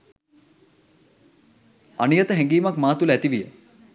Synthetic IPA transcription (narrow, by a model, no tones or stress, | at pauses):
anijət̪əɦeŋɡiːmakmaːt̪uləæt̪iʋijə